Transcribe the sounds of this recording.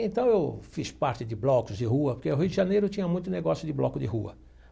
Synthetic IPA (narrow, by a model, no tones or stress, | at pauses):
ẽnt̪ɐ̃w̃ewfispaɾt͡ʃ̪ɪd̪ɪblɔkʊzd̪ɪɦuɐpoɾkeʊɦiwd̪ɪʒanejɾʊtt͡ʃ̪ĩɲɐmũj̃t̪ʊneɡɔsjʊd̪ɪblɔkʊd̪ɪɦuɐ̰